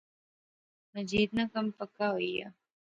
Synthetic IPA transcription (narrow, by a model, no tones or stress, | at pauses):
nɐd͡ʒiːd̪̚nakɐmpəkːaɦoija̰